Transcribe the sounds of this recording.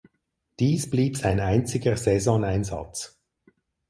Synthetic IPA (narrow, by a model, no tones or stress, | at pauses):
d̥iːsb̥liːpz̥aɪnaɪnt͡sɪɡəzɛzɔnaɪnzɑ̰t͡s